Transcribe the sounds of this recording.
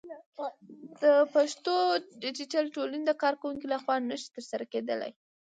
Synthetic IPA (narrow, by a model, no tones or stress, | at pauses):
d̪̥əpaʂt̪oɖɪd͡ʒɪʈalʈolind̪əkɑɾkawuŋkilaxwɑnəʃi̥t̪əɾsaɾaked̪əla̰j